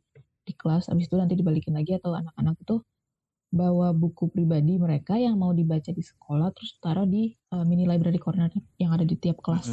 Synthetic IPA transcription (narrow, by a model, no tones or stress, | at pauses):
d̥ikəlasa̰bɪsit̪unant̪idibalikɪnlaɡiat̪awa̰nakanak̚it̪u | bawabukupɾibadiməɾekajaŋmaudibat͡ʃadisə̥kʰolaht̪əɾʊsə̥t̪aɾadi | əminilajbəɾadikɔrnɛrjaŋadadit̪iap̚kəlas